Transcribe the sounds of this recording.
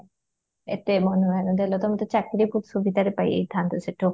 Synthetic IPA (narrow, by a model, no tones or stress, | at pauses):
ḛt̪emɔnoɛnod̪elot̪ɔmat̪ot͡ɕakːɾiput̪ʃubid̪ʱaɾepajḛjd̪ʰʱant̪oseʈo